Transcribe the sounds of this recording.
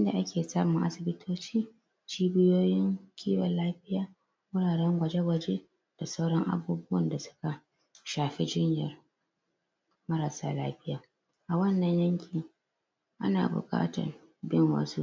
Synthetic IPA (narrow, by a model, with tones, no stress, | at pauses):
ʔɪ˦nda̰˨ʔa˦kʲeː˨saː˦mʊ˨ŋʔa̰˦sɪ˨bɪ˦tʰoː˦t͡ʃiː˦ | t͡ʃiː˦bɪ˦joː˦jɪ˦ŋkʲʰiː˦wɐ˨laː˦ɸɪ˦jaː˦ | wʊ˦ɽaː˨ɽɛ˦ŋɡʷɐ˨d͡ʒe˦ɡʷɐ˨d͡ʒe˦ | d̥a˨sa˦wɽɔ˦ŋʔa̰˦buː˦bʊ˦wɐ˨nda˨sʊ̥˦ka˨ | ʃaː˨ɸe˦d͡ʒɪ˦ɲjɐ˨r | mɐ˦ɾa˨saː˦laː˦ɸɪ˦jaː˨ | ʔa˨wɐ˦nːɐ˨ɲjɐ˦ŋkʲʰɪ˨ŋ | ʔa̰˦na̰ː˨bʊ̰˨kʼa̰ː˦tɐ̰˨r | bɪ˦ŋwɐ̰˦su˦